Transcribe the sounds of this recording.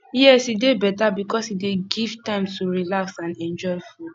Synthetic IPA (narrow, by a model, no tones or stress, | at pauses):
jɛsidebɛtabikɔsideɡiv̥tãɪ̃mtuɹilaksãnɛ̃nd͡ʒɔɪful